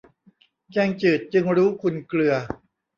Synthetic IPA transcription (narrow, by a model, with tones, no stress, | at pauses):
kɛː˧ŋt͡ɕɯː˨˩t̪̚t͡ɕɯ˧ŋɾuː˦˥kʰu˧nklɯ˧ɐ